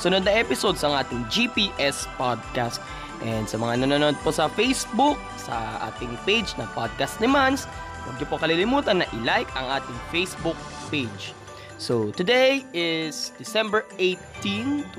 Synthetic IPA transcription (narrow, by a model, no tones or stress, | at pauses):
sʊnod̪̚nɐʔɛpɪsod̪sɐŋʔaːt̪ɪŋd͡ʒipiʔɛspad̪̚kast̪̚ | ʔɛnd̪sɐmɐŋanonoːnod̪̚posɐfejsbuk̚sɐ̰ʔa̰ːt̪ɪŋpejd͡ʒnɐpad̪̚kast̪̚nɪmans | wɐ̰ɡ̚ɲʊpokɐlilɪmuːt̪ɐnːɐʔɪlajkɐŋʔaːt̪ɪŋfejsbʊk̚pejd͡ʒ | sot̪ʊd̪ɛjɪsd̪ɪsɛ̃mbɛɹʔejt̪int̪